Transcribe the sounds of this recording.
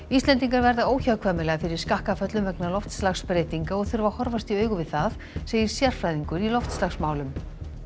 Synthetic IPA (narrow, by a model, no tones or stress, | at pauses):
ist̪ɛnt̪iŋkaɾvɛɾðaoːwçakʰvamɪlɛɣafɪɾɪɾ̥skahkafœt̪lʏmvɛknalɔft̪slaxspɾeːjt̪iŋkaɔɣθʏɾvahɔɾvast̪iœːɥɣʏvɪðθað | seːjɪɾ̥sjar̥fɾajðiŋkʏɾilɔft̪slaxsmaːwlʏm